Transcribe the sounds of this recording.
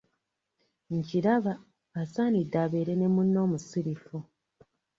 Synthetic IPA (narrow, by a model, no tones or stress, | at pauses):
ɲciɾaβaː | saːnidːaːβe̞ːɾe̞nemunːo̞ːmusiɾifu